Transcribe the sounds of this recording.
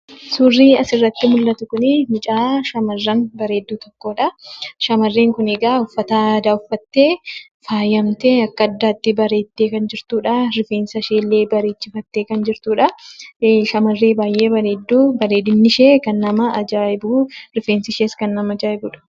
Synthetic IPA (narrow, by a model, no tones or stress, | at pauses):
suːrːiːɐsɪrːɐt̪ːɪmʊlːɐt̪ʊkʊnɪmɪt͡ʃʼaːʃɐmɐrːɐnbɐɾe̞ːd̪ːuːt̪ɔkːo̞ːᶑɐʃɐmɐrːeːŋkʊnɛɡaːʊfːɐt̪aːd̪aːʊfːɐt̪ːeː | faːjɐmt̪eːɐkːɐɐd̪ːaːt̪ːɪbɐɾe̞ːt̪ːeːkɐnd͡ʒɪɾt̪uːᶑɐɾɪfe̞ːnsɐʃeːlːeːbɐɾe̞ːt͡ʃːɪfɐt̪ːeːkɐnd͡ʒɪɾt̪uːᶑɐ | ʃɐmɐrːe̞ːbaːjʔeːbɐɾe̞ːd̪ːuːbɐɾe̞ːd̪ɪnːɪʃeːkɐnːɐmɐːd͡ʒaːɪbuːɾɪfe̞ːnsɪʃeːskɐnːɐmɐd͡ʒaːɪbuːᶑɐ̥